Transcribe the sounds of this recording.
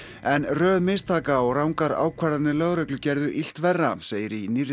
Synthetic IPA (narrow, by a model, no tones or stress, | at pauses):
ɛnrœːðmɪst̪ʰaːkaɔɣrawŋkaɾa̰ːwkʰvaɾðanɪlœɣɾœklʏcɛɾðʏʔil̥t̪vɛrːaseːjɪɾinirɪ